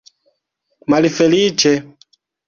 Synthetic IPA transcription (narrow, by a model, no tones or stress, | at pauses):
malifɛlit͡ʃɛ